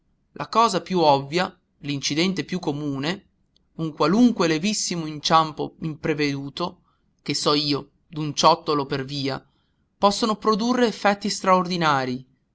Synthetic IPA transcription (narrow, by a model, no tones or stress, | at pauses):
lʔakɔːzapjuɔvːja | lint͡ʃid̪ɛnt̪epjukːomuːne | uŋkwaluŋkwelevisːimoint͡ʃampo̰impɾeved̪uːt̪o | kesːɔiːo | d̪unt͡ʃɔt̪ːoloperviːa | pɔsːonopɾod̪urːeːfːɛt̪ːist̪ɾaord̪inaːɾi